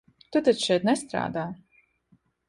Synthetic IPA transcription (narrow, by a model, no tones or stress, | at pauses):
t̪ut̪aʃɛjt̪nɛst̪ɾa̰ːd̪aː